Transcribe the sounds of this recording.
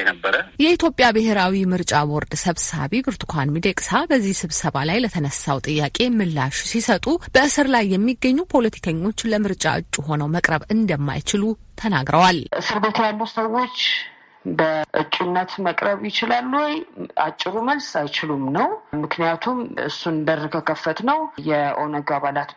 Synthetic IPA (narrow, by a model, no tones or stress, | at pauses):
ɛnəbːəɾəjɛit̪ʰjo̞pʼjabɨɦe̞ɾawimɨɾt͡ʃʼaboɾd̪səβsa̰βibɨɾt̪ʰu̥kʷʰanmid̪ekʼsabəzːihsɨβsəβalajlət̪ʰənəsawt̪ʼɨjːakʼe̞mɨlːa̰ʃu̥sisət̪ʼub̥əʔɨsɨɾlajːɛmːiɡːəɲːupʰo̞lət̪ʰi̥kʰəɲːo̞t͡ʃːləmɨɾt͡ʃʼa̰ʔɨ̰t͡ʃʼːuɦo̞nəwməkʼɾəβɨnd̪əmːa̰jt͡ʃɪlut̪ʰənaɡɾəwalʔɨsɨɾbet̪ʰejalːusəwːo̞t͡ʃː | bəʔɨt͡ʃʼːunːət̪məkʼɾəβjɪt͡ʃɪlalːuwɔja̰t͡ʃʼːɪɾuməlsajt͡ʃɪlumnəwmɨknijat̪ʰumɨ̰sund̪ərkʰəkʰəfːət̪nəwjɛʔonəɡaβalat̪